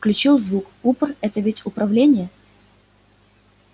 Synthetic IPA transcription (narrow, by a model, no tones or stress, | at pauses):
fklʲʉt͡ɕilˠzvuk | upərɛt̪əvʲɪtʲʊpɾɐvlʲenʲɪjə